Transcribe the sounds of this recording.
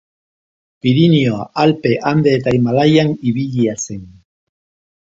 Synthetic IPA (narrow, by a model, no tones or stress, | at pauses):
piɾinioaʔalpeʔand̪eːt̪ajmalajaniβiʎiasen